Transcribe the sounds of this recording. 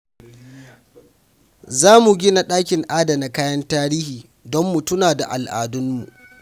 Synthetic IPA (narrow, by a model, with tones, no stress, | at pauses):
zaː˦mu˨ɡʲɪ˦na˨ɗaː˦kʲɪ˨ŋʔaː˦da˨na˨kaː˦jɐ˦ntaː˦ɾiː˦hiː˨ | dɔ˦mːu˨tʊ˦naː˨da̰˨ʔa˨lʔa̰ː˨dʊ˦mmːṵ˨ʔ